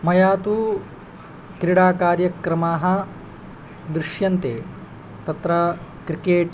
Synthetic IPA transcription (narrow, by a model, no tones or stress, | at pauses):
mɐjaːt̪u | kɾiɽaːkaːɾjɐkɾɐmaːɦɐ̆ | d̪ɾɪʂjɐnt̪ḛː | t̪ɐt̪ɾɐkɾikeːʈ